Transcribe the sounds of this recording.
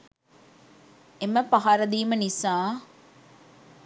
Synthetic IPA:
emːɐpɐɦaɾɐd̪iːmɐnisãː

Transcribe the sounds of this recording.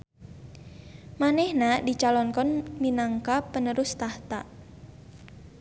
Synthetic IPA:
manɛhnadit͡ʃalɔnkɔnminaŋkapːənəɾʊst̪aht̪aʔ

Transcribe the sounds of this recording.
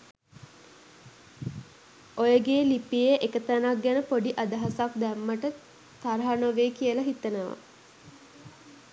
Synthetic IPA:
ojəɡeːlipiəʔekət̪anak̚ɡænəpoɖiʔad̪əɦasak̚d̪æmːəʈə | t̪aɾɦanoʋeːkijəlɐɦit̪ənəʋa̰

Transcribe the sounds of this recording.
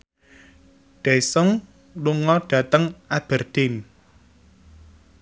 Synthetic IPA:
ɖ̥ɛsʊŋ | luŋɔɖ̥ä̤t̪əŋab̥ərd̪̥in

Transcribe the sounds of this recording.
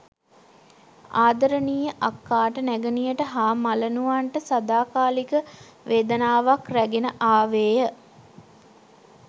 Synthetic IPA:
aːd̪əɾəniːjəʔakːaːʈənæɡənijəʈəɦaːmalənuʋaɳʈəsad̪aːkaːlikə | ʋeːd̪ənaːʋakræɡenəʔaːʋeːjə

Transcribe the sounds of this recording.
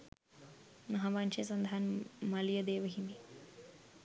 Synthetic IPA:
mɐɦaːbanʃɐsɐnd̪ʱaːnmɐljɐd̪eːʋɐɦind̪i

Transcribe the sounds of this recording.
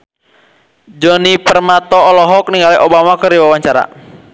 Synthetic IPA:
d͡ʒɔnipərmat̪ɔːlɔɦɔk̚niŋɡaliʔobamakərdiwawaɲt͡ʃaɾa̰

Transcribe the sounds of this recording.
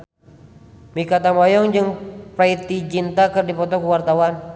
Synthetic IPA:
mikat̪amɔjɔŋd͡ʒɨŋpɾait̪id͡ʒint̪akɨrdipɔt̪ɔkuwart̪awan

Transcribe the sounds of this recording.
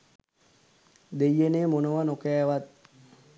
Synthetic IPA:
d̪ejːeneːmunoʋanokɛːʋat̪̚

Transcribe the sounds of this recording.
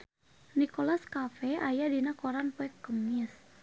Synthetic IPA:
nikɔlaskafɛajadinakɔɾanpɔɛkːəmis

